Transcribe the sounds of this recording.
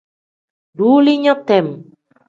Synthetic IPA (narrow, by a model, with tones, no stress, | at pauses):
ɖu˦li˦ɲɔ̃˦t̪ɛ˨m